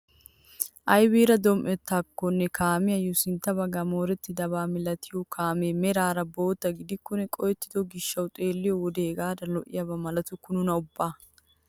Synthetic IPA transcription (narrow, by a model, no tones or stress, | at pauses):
ʔɐjbiːɾɐd̪ɔmʔɛt̪ːɐkːɔnːɛkʰaːmɪjɐjʊsɪnt̪ːɐbɐɡamo̞ːɾɛt̪ːɪd̪ɐβaːmɪlɐt̪ʰɪjɔkʰaːmeːmɛɾaːɾɐbo̞ːt̪ːɐɡɪd̪ɪkːɔnɛkʼɔjɛt̪ːɪd̪ɔɡɪʃːɐwt̪ʼeːlːɪjɔwɔd̪eːɡaːd̪ɐlɔʔɪ̰jɐbɐmɐlɐt̪ʊkʊnʊnɐʊbːaː